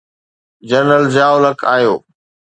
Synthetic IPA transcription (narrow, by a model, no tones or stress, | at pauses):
d͡ʑəɾnəld͡ʑaːoləkʰaːjoː